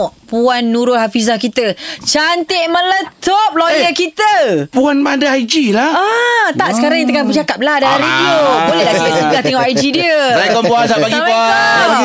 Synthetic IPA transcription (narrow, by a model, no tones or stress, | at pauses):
ʔpuanːũɾʊhafizahkit̪ət͡ʃant̪ɪʔmə̃lət̪op̚lojəkit̪əpuanmandaad͡ʒilaat̪aʔə̥kaɾaŋit̪əŋanbət͡ʃakap̚lahdaɾediobolɛɦlaʔkilət̪iŋlat̪ɛŋɔʔajd͡ʒidiəajkɔnpuansapaɡipua